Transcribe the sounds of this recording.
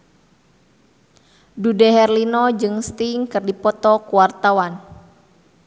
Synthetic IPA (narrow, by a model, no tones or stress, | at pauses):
dudɛɦɛrlinɔd͡ʒɨŋst̪iŋkɨrdipɔt̪ɔkuwart̪awan